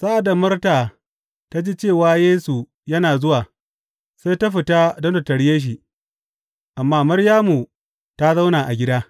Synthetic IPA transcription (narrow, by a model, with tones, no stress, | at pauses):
sa˦ʔa˨da˨mɐ˦rtaː˨ | ta˦d͡ʒi˦t͡ʃeː˦˨waː˦jeː˦su˨ | jɐ˦naː˨zʊ˦waː˨ | sa˦jta˦ɸɪ˨ta˦dɔ˦nda˨tɐ˨ɽjeː˦ʃ̬i˨ʔ | ʔa˨mːaː˦mɐ˦ɽjaː˦mu˨ | ta˦za˦wnaː˨ʔa̰˨ɡʲɪ˦daː˦